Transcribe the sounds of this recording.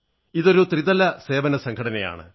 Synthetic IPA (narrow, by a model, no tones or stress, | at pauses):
iðo̞ɾut̪riðɐlːɐse̞ːʋɐnɐsɐŋkʰɐɽɐnɐja̰ːɳɨ̰